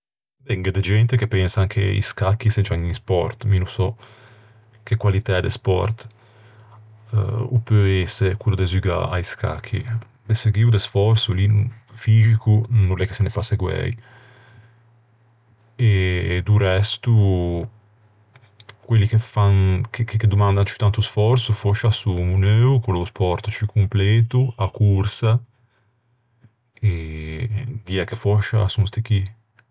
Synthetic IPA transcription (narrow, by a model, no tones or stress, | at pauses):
bɛŋɡed̪ed͡ʒɛnt̪ekepːɛnsaŋkʰḛḭskakːised͡ʒaŋinspɔrt̪minusɔ | kekwalit̪ɛd̪ḛspɔ̰rt̪ | upøɛsekulud̪ezyɡa̰a̰jskʰa̰kʰːḭ | d̪eseɡwiud̪esfɔrsulifiːzikunulɛkːe̥senefaseɡwɛ̰j | ed̪urɛst̪u | kwelːik̟efankekekːed̪umand̪ant͡ʃi̥t̪ant̪usfɔrsufɔʃasumunøːukolospɔɾt̪t͡ʃikʰumpleːt̪uakursa | e | d̪iɛkːefɔʃaasunst̪ik̟i